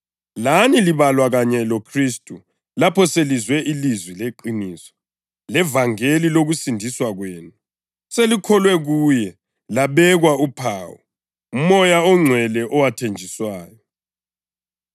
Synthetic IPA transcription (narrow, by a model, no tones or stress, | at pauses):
laniliβalwaɣaɲɛlokʰristʼu | lapʰɔselizwɛʔilizwileǃiniːsɔ̥ | lɛvaŋeliloɣusindʱiswaɣweːnu | selikʰɔlwɛɣuːjɛ | laβɛɣwaupʰaːwɔ̰ | mɔjaɔŋ͡ǀʱwɛlɛʔɔwatʰend͡ʒʱiswaːjɔ